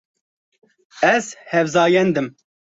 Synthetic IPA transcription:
ɛz̥hɛvzɑːjɛnd̪ɨm

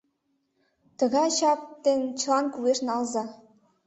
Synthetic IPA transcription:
t̪ɤ̆ɣɑɕɑp̚t̪enʲt͡ɕlɑnkueʂnɑlˠzɑ

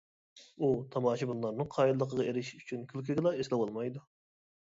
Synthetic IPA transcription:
ut̪ʰɑmɑːʃibunˠlˠɑɾnɨŋqʰɑːjid̪lːˠəqəʁɑeɾɪʃy̥t͡ʃʰynkʲʰylkʲʰiɡʲlˠɑeslɪbolˠmɑjd̪u

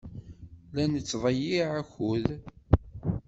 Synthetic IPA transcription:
lænət͡sːvˤɑjiʕaçʊð

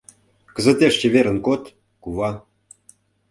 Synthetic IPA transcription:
kə̆zə̆t̪ʲeʂt͡ɕĕβeɾə̆nkot̪ | kuβɑ

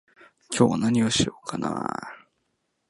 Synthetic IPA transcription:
kʰʲoːnaɲ̟ioɕiokʰana̰

